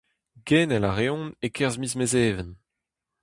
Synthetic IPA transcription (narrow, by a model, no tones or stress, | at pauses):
ɡ̥ɛːnɛlaʁeɔ̃nekʰɛʁzmizmezeːvən